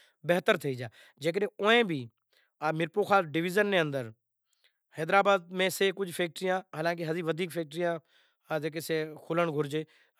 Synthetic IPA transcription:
beɦt̪əɾt̪ʰəiːd͡ʒaː | d͡ʒeːk̬ɾẽːoẽːbʱiː | mɪɾpoːkʰaːɖɪʋɪːzənːẽːə̃nd̪əɾ | hɛːd̪ɾaːbaːd̪̚mẽːseːkʊd͡ʒʱpʰeːk̚ʈɾijãːɦaːlãːk̬eɦəd̪iːʋəd̪ʱiːkpʰeːk̚ʈɾijãː | d͡ʒeːk̬eseːkʰʊləɳɡʱʊɾd͡ʒeː

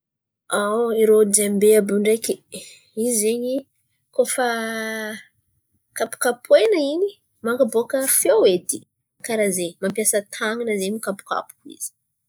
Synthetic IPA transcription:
awiɾod͡ʒembeabuɳɖ͡ʐekʲi | izeɲi | kofa | kapu̥kapʰwenəiɲi | maŋkabokəfewet̪i̥ | kaɾazemampjasət̪ʰaŋinəzemikapu̥ka̰pu̥kḭz̥i̥

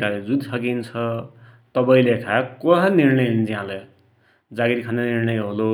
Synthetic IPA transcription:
kad͡zud̪sʌkint͡sʰʌ | t̪ʌbʌĩlekʰakoɦaniɾnʌjnd͡ziɦãle | d͡zaɡiɾikʰãnd̪aniɾnʌjɦolo

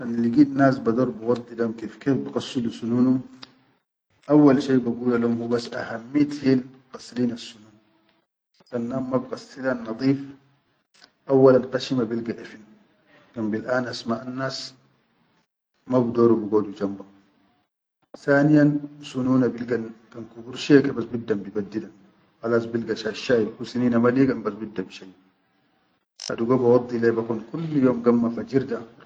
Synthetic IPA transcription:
anliɡiːd̪naːs̬bad̪oːɾbiwɑd̪ˤːidamkefkeːfbaɡɑsːilusunuːnu | ʔawːalʃeːbaɡuːlalumhubasːʔahamːit̪hil | qɑsliːnasːunuːn | sanːaːmmabɡɑsːilanːɑd̪ˤiːf | ʔawːalalqaʃimabilɡaʔafin | kambilʔaːnʔasmaːʔanːaːs | mabud̪oːɾubiɡoːdud͡ʒamba | θaːnijansunuːnabilɡankankubuɾʃiakɛbasbid̪ːambibad̪ːida | xalaːs̬bilɡaʃaʃːaːjkusiniːnamaliːɡambasbid̪ːabiʃaj | a̰duɡobawɑd̪ˤːilebakunkulːjoːmɡamːafad͡ʒiɾd̪a

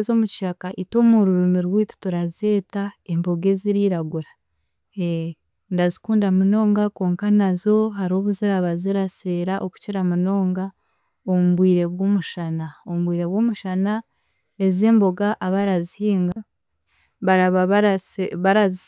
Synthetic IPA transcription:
zomuciʃakaʔito̞ːmuɾuɾumiɾwiːtu̥tuɾazeːtaembo̞ɡe̞ziɾiɾaɡuɾa | e | ndazikuːndamuno̞ːŋɡako̞ːŋkanazo̞ɦaɾo̞ːβuziɾaβaziɾaseːɾaʔoku̥ciɾamuno̞ːŋɡa | omuβwiːɾe̞βwomuʃanaomuβwiːɾe̞βwoːmuʃana | e̞zeːmbo̞ɡaʔaβaɾazihiːŋɡa | βaɾaβaββaɾazi

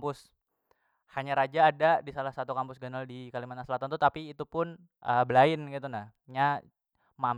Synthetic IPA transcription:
pʊs | haɲaɾad͡ʒaːdadisalahsat̪ukampʊsɡənaldikalimat̪naslat̪ant̪ut̪apiːt̪upʊn | ʔəbəlaɪnɡit̪unah | ɲa | mam

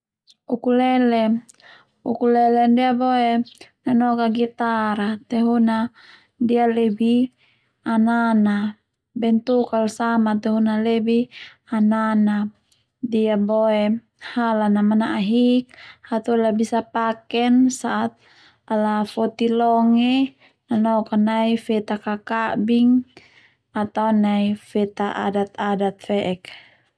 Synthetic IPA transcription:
ukulɛlɛ | ukulɛlɛndiabɔenanɔkaɡit̪aɾat̪ɛɦuna | dialɛbi | anana | bɛnt̪ukalsamat̪ɛɦunalɛbi | anana | diabɔɛ | halanamanaʔaɦik̚hat̪ulabisapakɛnsaʔat̪̚ | alafɔt̪ilɔŋɛ | nanɔkanaifɛt̪akakabiŋ | at̪aunaifɛt̪aʔa̰dat̪adat̪̚fɛʔɛk

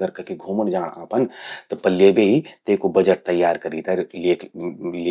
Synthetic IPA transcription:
əɾkəkiɡʱoːməɳd͡ʒãːɽaːpənt̪əpəlːebeɦit̪ekobəd͡ʒəʈ̚t̪əjːaːɾkɐɾit̪alekl

